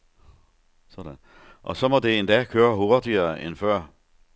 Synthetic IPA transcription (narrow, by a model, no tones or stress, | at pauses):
sɒd̥æn | ʔɒ̽sɒ̽mɒ̽d̥e̝end̥ɛkʰøːɐɦo̝ɐd̥iɐːenfɶɐ̰